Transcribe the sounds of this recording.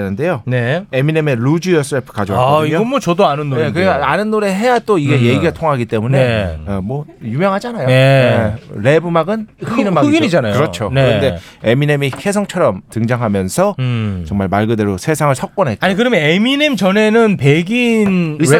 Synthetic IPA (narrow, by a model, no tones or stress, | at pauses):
enɯnde̞joneemineme̞ɾud͡ʑiʌsʰɯɾepʰɯ̥kad͡ʑʌwakʌiɲoʌnmwʌt͡ɕʌdoanɯnːoekɯɾeanɯnːoɾeɦe̞jat͈oiɡeje̞ɡiɡaɭtʰoŋɦaɡit͈e̞muneemwʌjumjʌŋɦad͡ʑanajoeɾe̞bɯmaɡɯnkɯɡinɯmaɯɡinid͡ʑanajkɯoɾʌt͡ɕʰonɯɾʌnde̞ | eminemikʰe̞sʰʌŋt͡ɕʰʌɾʌmtɯŋd͡ʑaŋɦamjʌnsʰʌt͡ɕʌŋmaɭmaɭɡɯde̞ɾosʰe̞sʰaŋɯɭsʰʌk̚k͈ʌnɦe̞t͈̚aɲikɯɾʌmeneminemt͡ɕʌnenɯnpeɡini